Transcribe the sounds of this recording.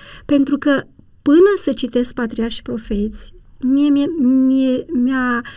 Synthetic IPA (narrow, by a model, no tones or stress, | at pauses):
pe̞nt̪ɾukə | pɨnəsət͡ʃit̪e̞sk̚pat̪ɾiarʃpɾo̞fe̞t̪sʲmiemiemea